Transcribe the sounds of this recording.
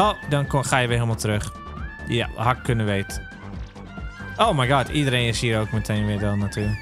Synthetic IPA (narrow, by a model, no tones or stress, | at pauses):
oːdɔnkxajəʋɪhelˠmalˠtərøx | ja̰hakkʰønəʋeːtə | oːmajɡɑtidəɾeɪnɪshiːɾoːkmətʰeːnʋɪdɔnːatʰyəə